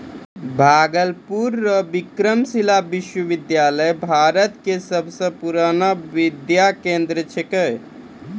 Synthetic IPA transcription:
bʱaːɡəlpuɾːəbikɾəmsilabiʃwəʋɪd̪jaːləjbʱaːɾət̪kesəbʱsə̃puɾanaʋɪd̪jakẽnd̪ɾət͡ʃʰekəj

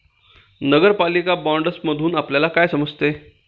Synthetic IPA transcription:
nəɡəɾpalikabɔɳɖəsməd̪ʱuːnapljalakajsəməd͡zt̪e

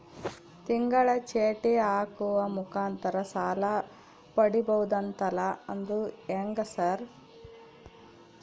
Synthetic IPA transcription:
t̪iŋɡɐɭɐt͡ʃeːʈiaːkuʋɐmukaːnt̪ɐɾɐsaːlɐ | pɐɽibɐwud̪ɐnt̪ɐlɐɐnd̪ueŋɡɐsɐɾ

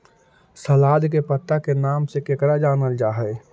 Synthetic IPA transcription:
səlaːd̪kepət̪ːakenaːmsekekɽad͡ʒaːnəld͡ʒaːɦɛɪ

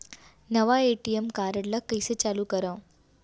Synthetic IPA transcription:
nəʋaeʈijemkaɾəɽlakːəjset͡ɕalukəɾə

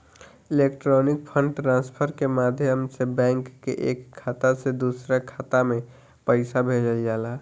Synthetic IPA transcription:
ɪlekʈɾɔnɪk̚pʰəɳɖʈɾãnspʰəɾkemad̪ʱjəmsebɛ̃ːŋkːḛʔekʰːaːt̪ased̪usɾakʰaːt̪amẽ | pəɪsabʱed͡ʒəld͡ʒaːla

